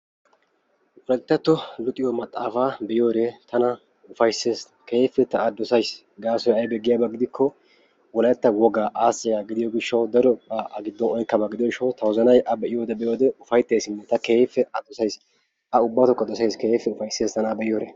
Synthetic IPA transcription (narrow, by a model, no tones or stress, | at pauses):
wɔlɛt̪ːɐt̪ːɔlʊt̪ʼɪjɔmɐt̪ʼːaːfaːbɛʔɪjo̞ːɾeːt̪ʰɐnɐ | ʊfɐjseːs | keːfɛt̪ɐɐd̪ːɔsɐjs | ɡaːsɔjɐjbɛɡɪjaːbɐɡɪd̪ɪkʰːɔ | wɔlɐɛt̪ːɐwɔɡaːʔaːsːɪjaːɡɪd̪ɪjɔɡɪʃːɐwd̪ɐɾɔpʼːaʔɐɡɪd̪ːɔnɔjkːɐbɐɡɪd̪ɔɪʃɔwt̪ɐwɔzɐnɐjʔɐbɛʔɪjoːd̪ɛbɛjoːd̪ɛʊfɐjt̪ːe̞ːsɪnːɛt̪ɐke̞ːfːɛʔɐd̪ɔsɐjs | ʔɐʊbːɐt̪ɔkʼːɐd̪ɔsɐjskeːfːɛʊfɐjse̞ːst̪ɐnabɛʔɪjoːɾe